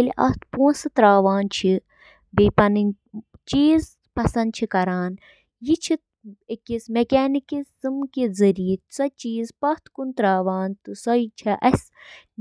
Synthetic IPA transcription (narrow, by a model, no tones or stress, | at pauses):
elʲʔɐ̰t̪ʰpuːsɨt̪ɾaːʋaːnt͡ʃʰi | beːpɐnin | t͡ʃiːz | pɐsɐnd̪̚t͡ʃʰikɐɾaːn | jit͡ʃʰit̪ | ekismekʲaːnikizɨmkezɐɾijisɐt͡ʃiːzpɐht̪ʰkunt̪ɾaːʋaːnt̪ɨsɐit͡ʃʰɐʔɐsʲ